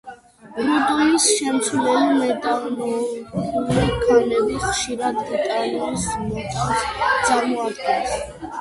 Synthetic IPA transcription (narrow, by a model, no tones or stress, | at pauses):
ɾɔd̪ɔisʃɛmt̪sʰlɛmɛd̪amɔulikʰɛnɛbiχʃiɾad̪ɡit̪ʼaliɔnsmɔtʼit̪t̪sʼaɾmɔat̪ʼɛns